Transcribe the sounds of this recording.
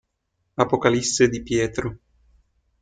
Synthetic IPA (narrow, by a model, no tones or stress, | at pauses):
apokalisːed̪ipjɛːt̪ɾo